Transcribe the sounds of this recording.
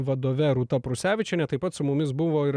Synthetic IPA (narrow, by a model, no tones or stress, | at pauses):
ʋɐd̪oːʋʲɛɾut̪ɐpɾʊsʲæːʋʲɪt͡ʃʲɛnʲɛt̪ɐɪpɐt̪sʊmʊmʲɪs̬bʊʋoːɪɾ